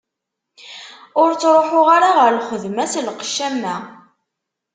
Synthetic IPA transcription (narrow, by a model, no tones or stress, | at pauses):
ʊɾt͡sːɾˤoħʊʁaɾaʁəɾlχəðmæslqə̥ʃːæmːæ